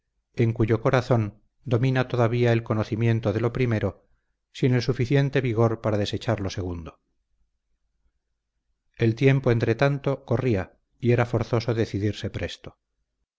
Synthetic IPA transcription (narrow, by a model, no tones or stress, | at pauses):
e̞ŋkuʝo̞ko̞ɾaθo̞n | d̪o̞mĩnat̪o̞ðaβiae̞lko̞noθimje̞nt̪oðe̞lo̞pɾime̞ɾo̞ | sine̞lsufiθje̞nt̪e̞βiɣ̞o̞ɾpaɾaðe̞set͡ʃaɾlo̞se̞ɣ̞und̪o | e̞lt̪je̞mpoe̞nt̪ɾe̞t̪ant̪o̞ko̞ria | ie̞ɾafo̞ɾθo̞soðeθiðiɾse̞pɾe̞st̪o̥